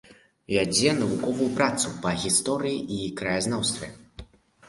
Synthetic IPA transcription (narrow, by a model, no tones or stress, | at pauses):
vʲad͡zʲɛnɐvukɔvujupɾat̪supɐɣʲist̪ɔɾɨjiʔikɾɐjaznawst̪vʲɛ